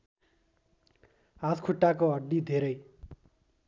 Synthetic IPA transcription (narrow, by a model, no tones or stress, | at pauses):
ɦaskʰuʈːakoɦʌɖːid̪ʱeɾʌj